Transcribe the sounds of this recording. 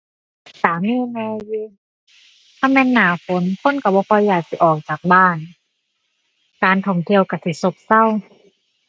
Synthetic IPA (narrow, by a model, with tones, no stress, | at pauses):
saː˨˦mːiː˧˥˨mɛː˧jɯː˧ | t̪ʰa˧˩˨mɛː˧˥˨nːaː˨˩˦fo˨˦nkʰo˧˥˨nka˧˩bɔː˧kʰɔ˧jːaː˨˩k̚si˧˦ʔɔː˨˩k̚t͡ɕaː˨˩k̚baː˧˩n | kaː˨˧nt̪ʰɔ˧˥˩ŋt̪ʰi˧˨əwka˧˩si˧˩˦so˧p̚sa˥˨w